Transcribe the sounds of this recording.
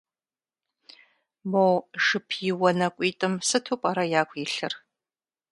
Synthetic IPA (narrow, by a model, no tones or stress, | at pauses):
mowʂɨpʰjɪwɐnɐkʷʼiːtʼɨmsɨtʰoːpʼaːɾɐjaːkʷʼjɪɬɨr